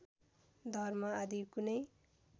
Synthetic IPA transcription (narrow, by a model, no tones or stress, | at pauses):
d̪ʱʌrmaad̪ikunʌj